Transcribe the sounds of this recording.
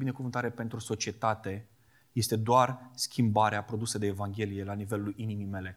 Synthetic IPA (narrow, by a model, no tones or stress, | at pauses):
bine̞kuvɨnt̪aɾe̞pe̞nt̪ɾuso̞t͡ʃie̞t̪at̪e̞ | je̞st̪e̞d̪oarskʲimbaɾeapɾo̞d̪used̪e̞ːvaŋɡʲe̞lije̞lanive̞luʔinimime̞le̞